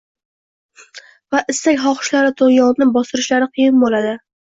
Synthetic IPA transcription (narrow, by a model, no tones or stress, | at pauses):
vaʔɪst̪akʲχɒχɨ̥ʃlaɾɪt̪ʰojɒʁnɪbɒsɪɾɪʃlaɾɪqʰɨjɪnbolad̪ɪ